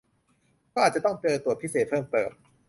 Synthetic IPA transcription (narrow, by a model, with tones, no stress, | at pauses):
kɔː˥˩ʔaː˨˩t͡ɕa˨˩t̪ŋt͡ɕɤː˧t̪u˨˩əpʰi˦˥seː˨˩t̪̚pʰɤː˥˩mpɤː˨˩p̚